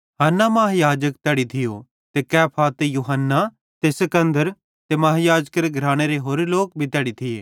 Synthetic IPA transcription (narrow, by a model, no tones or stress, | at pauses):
ɦanːamaːɦjaːd͡ʒəkt̪ɛːɽit̪ʰɪjo | t̪ekɛːpʰat̪ejuːɦənːa | t̪esɐkə̃nd̪əɾ | t̪emaɦjaːd͡ʒəkəɾeɡʱɾaːɽ̃eɾeɦoːɾloːk̚bʱit̪ɛːɽit̪ʰɪeː